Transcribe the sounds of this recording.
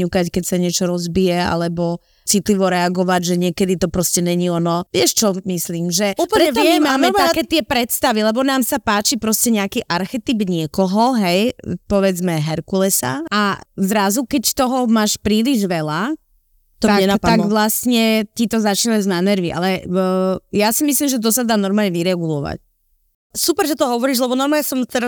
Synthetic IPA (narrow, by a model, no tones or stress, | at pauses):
ɲukackɛcsaɲɪɛt͡ʃɔɾɔzbijɛa̰lɛbɔ | t͡sit̪liʋɔɾɛaɡɔʋaɟʒɛɲɪɛkɛd̪it̪ɔpɾɔscɛɲɛɲiɔnɔʋɪɛʃt͡ʃɔmisliːmʒɛupɾɛɛimaːmɛt̪akɛːt̪ɪɛpɾɛt̪st̪aʋilɛbɔnaːmsapaːt͡ʃipɾɔscɛɲɛakiʔaɾxɛt̪ibɲɪɛkɔɦɔɦɛjpɔʋɛd͡zmɛɦɛɾkulɛsa̰azɾazukɛct̪ɔɦɔmaːʃpɾiːliʒʋɛla | t̪ɔɲɛnapat̪aɡʋlastɲɛt̪it̪ɔzat͡ʃinaznanɛɾʋiʔa̰lɛ | jasimislimʒɛt̪̬ɔsad̪aːnɔɾmaːlɲɛʋiɾɛɡulɔʋa̰c | supɛɾʒɛt̪ɔɦɔʋɔɾiːʒlɛbɔnɔɾmaːɲɛsɔmt̪ɛɾa